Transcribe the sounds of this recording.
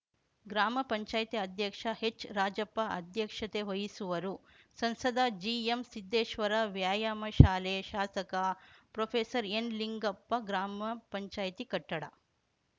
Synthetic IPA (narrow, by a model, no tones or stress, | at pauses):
ɡɾaːmɐpɐɲt͡ʃaːjt̪iɐd̪jɐkʂɐhet͡ʃːɾaːd͡ʒɐpːɐʔɐ̰d̪jɐkʂɐt̪eɦojisuʋɐɾu | sɐnsɐd̪ad͡ʒiːemsid̪ːeːʃʋɐɾɐʋjaːjaːmɐʃaːleʃaːsɐkɐpɾopʰeːsɐɾenliŋɡɐpːɐɡɾaːmɐpɐɲt͡ʃaːjt̪ikɐʈːɐɽɐ